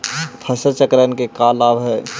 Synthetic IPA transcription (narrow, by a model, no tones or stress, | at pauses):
pʰɐsət͡ʃəkɾənkekaːlaːbɦɛː